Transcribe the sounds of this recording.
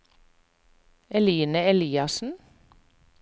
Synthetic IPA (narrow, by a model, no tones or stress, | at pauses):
ɛliːnəɛliːɑsn̩